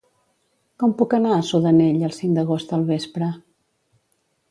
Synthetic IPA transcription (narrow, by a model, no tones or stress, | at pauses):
kɔmpukənaəsuðəneʎəlˠsiŋd̪əɣost̪əlˠβespɾə